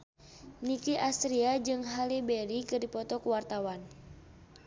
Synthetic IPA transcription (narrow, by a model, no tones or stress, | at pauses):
nikiʔast̪ɾiad͡ʒɨŋɦalibɛɾikɨrdipɔt̪ɔkuwart̪awan